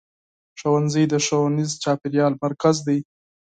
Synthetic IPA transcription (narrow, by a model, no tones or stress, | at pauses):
ʂowanzəjd̪əʂownizt͡ʃɑpɪɾjɑlmaɾkazd̪aj